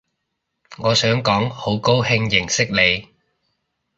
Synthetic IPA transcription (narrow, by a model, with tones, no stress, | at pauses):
ŋɔː˨˧sœː˨˥ŋkɔː˨˥ŋho˨˥wko˥whɪ˧ŋjɪ˨˩ŋsɪ˥k̚le˨˧j